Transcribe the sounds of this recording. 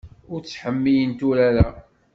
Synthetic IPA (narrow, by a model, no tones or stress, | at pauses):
ʊɾt͡sːħəmːijənt̪uɾæɾa